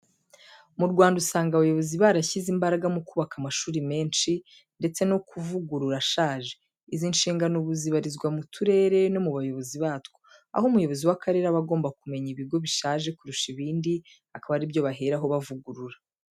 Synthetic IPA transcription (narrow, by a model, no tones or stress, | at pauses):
muɾɡwaːndusaːŋɡaβajo̞βo̞ziβaɾaçizimbaɾaɡamukuːβakamaʃuːɾime̞ːnʃi | nde̞t͡seno̞kuvuɡuɾuɾaʃaːʒe̞ | izinʃiːŋɡanoβuziβaɾizɡwamutʰuɾe̞ːɾe̞no̞muβajo̞βo̞ziβaːtwo | a̰homujo̞βo̞ziwakʰaɾe̞ɾaβaɡo̞ːmbakume̞ɲiβiɡo̞βiʃaːʒe̞kuɾuʃiβiːndi | hakaβaɾibjo̞βaɦeɾaɦo̞βavuɡuɾuɾa